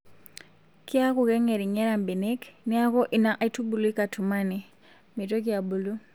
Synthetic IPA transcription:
kɪ˦a˦ku˨kɛ˦ŋɛ˨ɾi˨ɲɛ˦ɾa˨mbe˨ne˦kni˦a˦kɔ˦ʔi˨na˦ʔa˨itu˦bu˨lu˦i˦ka˨tʰu˨ma˦ni˨ | mi˨to˦ki˦a˨bu˨lu˦

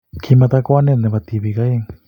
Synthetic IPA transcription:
kʰi˧ma˧t̪a˧kʷa˦nẽ˧nnẽ˧ba˧˨t̪i˧˨bi˧˨ka˧˦e˧˨ŋ

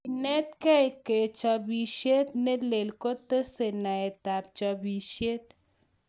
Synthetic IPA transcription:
inɛ˦t̪kɛ˦jke˨t͡ʃɔ˧bi˨ʃe˦t̪ne˦le˨lko˦t̪ə˦se˨na˨e˨t̪a˨p̚t͡ʃɔ˧bi˨ʃe˦t̪

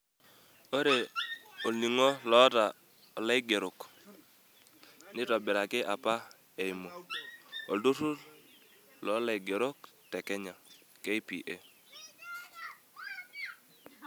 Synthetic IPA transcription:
o˦ɾe˨o˨ni˨ŋo˦lɔ˨˦ta˨ | lɛ˦ɪ˦ɡe˨ɾʊ˨k | nɪ˦tɔ˨bɪ˨ɾa˨kɪ˦ʔa˨pa˦ | e˨i˨mo˨ | o˨du˦su˦ | lɔ˨˦lɛ˨ɡe˨ɾʊ˦k̚tɛ˨kɛ˦ɲa˨ke˦ɪ˦pḭ˨ʔe˦

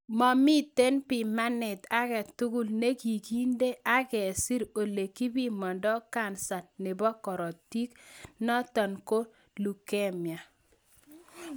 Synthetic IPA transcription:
mɔ˨mɪ˦te˦npɪ˨ma˦nɪ˨ta˦kɛ˨tu˦ɡu˦lne˦ki˨ki˦nde˦ʔa˦kɛ˨si˦ɾo˨le˨ki˦bi˦mɔ˨ndɔ˦ka˦˨nsa˨tnɪ˨bɔ˦kɔ˨ɾɔ˨ti˦knɔ˦tɔ˨nko˦ | lu˨kɛ˦mja˨

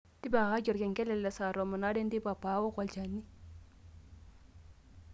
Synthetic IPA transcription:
ti˦ba˨ka˦d͡ʒɔ˨ɾke˨ŋkɛ˦lɛ˨lːɛ˨sa˨ɾo˨ma˨na˦de˦ndi˦pa˨pːa˨˦wo˦ka˨lt͡ʃa˨nːi˦

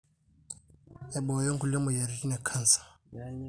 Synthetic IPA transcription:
a˨bɔ˨jɔ˦ŋ˦ku˨lɛ˦mɔ˨ja˨ɾi˨ti˦nɛ˨kʰa˦n˨sḁ˨

